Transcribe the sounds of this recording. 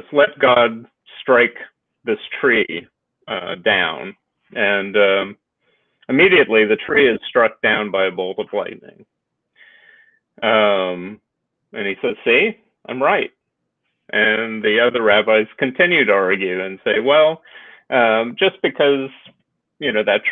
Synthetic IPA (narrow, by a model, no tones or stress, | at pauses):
ʌslɛt̚ɡ̥ɑd̚ | stɹ̥aɪk | ðɪstʰɹ̥i | ʌdãʊ̃n | ʔɨ̃nʌ | ɨmiɾiɨtˡliðɨtʰɹ̥iɨz̥stɹ̥ʌk̚d̥ãʊ̃nbaɪɨboʊlˠtʌvlaɪʔⁿnɪ̰̃ŋ | ʌ̃m | ʔɨ̰̃nisɛd̥si | ʔãɪ̃mɹaɪt̚ | ʔɨ̃nðiʌðə˞ɹæbaɪz̥kɨ̃ntʰɪ̃njʉɾɑɹɡjʉɨ̃nseɪwɛlˠʔʌ̃md͡ʒʌsb̥ɨkʰʌz | jɨnoʊðɨt